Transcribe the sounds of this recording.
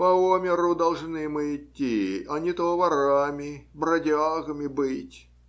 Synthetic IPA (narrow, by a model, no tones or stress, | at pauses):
pɐomʲɪɾʊd̪ɐlˠʐnɨmɨɪtʲːiɐnʲɪt̪ovɐɾamʲɪbɾɐdʲaɣəmʲɪbɨtʲ